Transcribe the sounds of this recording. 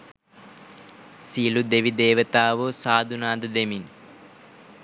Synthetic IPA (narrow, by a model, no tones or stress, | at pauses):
silud̪eʋid̪eːʋət̪aːʋəsaːd̪ʱunaːd̪ɐd̪emin